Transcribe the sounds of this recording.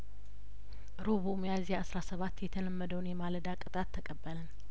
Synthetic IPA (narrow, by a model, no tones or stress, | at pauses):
ɾoβomjazjɛasɾasəβat̪ːjɛt̪ʰələmːəd̪əwnjɛmaləd̪akʼɨt̪ʼat̪ʰːəkʼəbːələn